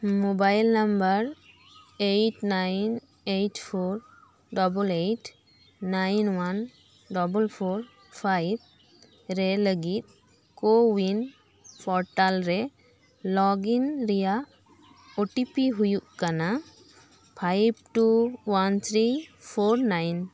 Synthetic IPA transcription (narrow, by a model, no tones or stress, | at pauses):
mobajlnambəɾ | ejʈnajn | ejʈpʰoɾ | ɖɔbəlejʈʰː | ajnwan | ɖɔbəlpʰoɾ | pʰajb̚ | ɾɛləɡit̪̚ | kowin | pʰɔɾʈalɾɛ | lɔɡinɾija | oʈipiɦujuʔkana | pʰajb̚ʈuwant̪ʰɾipʰoɾnajn